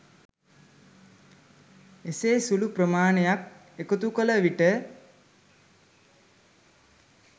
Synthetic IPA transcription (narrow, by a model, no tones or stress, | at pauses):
eseːsuluprəmaːnejak | ekut̪ukələʋiʈə